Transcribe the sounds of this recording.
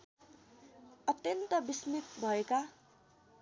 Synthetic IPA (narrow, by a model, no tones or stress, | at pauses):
ʌt̪jʌnt̪ʌbismit̪bʱʌeka